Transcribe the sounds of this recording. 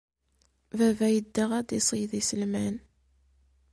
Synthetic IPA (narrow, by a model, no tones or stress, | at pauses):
vævæjəd̪ːəʁæd̪isˤəjðisəlmæn